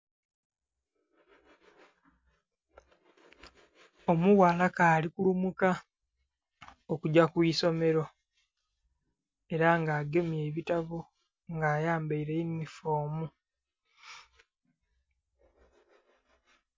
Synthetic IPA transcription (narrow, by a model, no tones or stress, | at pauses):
o̞muwaːlakaːlikulumuka | okuɟakwiːso̞me̞ɾo̞ | e̞ɾaŋɡaːɡe̞mje̞ːβitaβu | ŋɡaːjaːmbaiɾeinːifo̞ːmu